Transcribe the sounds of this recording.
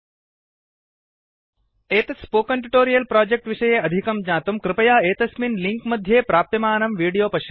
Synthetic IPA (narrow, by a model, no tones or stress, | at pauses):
eːt̪ɐspoːkɐɳʈuʈoːɾijɐlpɾaːd͡ʒek̚ʈʋiʃɐjeːɐd̪ʱikɐmd͡ʒãːt̪umkɾɪpɐjaːeːt̪ɐsminliŋkmɐd̪ʱjeːpɾaːp̚t̪ɐmaːnɐmʋiːɽijoːpɐʃɐ